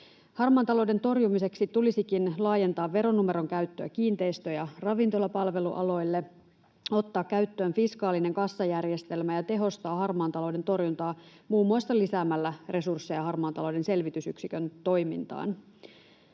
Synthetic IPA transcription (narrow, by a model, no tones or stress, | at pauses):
hɑrmɑːnt̪ɑlo̞ude̞nt̪o̞rjumise̞ksit̪ulisikinlɑːje̞nt̪ɑːʋːe̞ɾo̞numeɾo̞ŋkæyt̪ːøæk̟iːnt̪e̞ist̪øjɑrɑʋint̪o̞lɑpɑlʋe̞lṵʔɑ̰lo̞jlːe | o̞t̪ːɑːkːæyt̪ːø̞ːnfiskɑːline̞ŋkɑsːɑjærje̞st̪e̞lmæjɑt̪e̞ɦo̞st̪ɑːhɑrmɑːnt̪ɑlo̞wde̞nt̪o̞rjunt̪ɑːmuːmːoist̪ɑlisæːmːælːære̞sursːejɑɦɑrmɑːnt̪ɑlowde̞nse̞lʋit̪ysyksikønt̪o̞jmḭnt̪ɑ̰ːn